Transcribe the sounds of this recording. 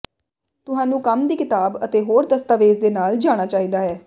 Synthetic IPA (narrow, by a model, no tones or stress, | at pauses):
t̪ʊɦãːnũːkəmd̪iːkɪt̪aːbət̪eːɦoːɾd̪əst̪aːʋeːzd̪eːnaːld͡ʒaːɽ̃aːt͡ʃaːɦiːd̪aːɦɛː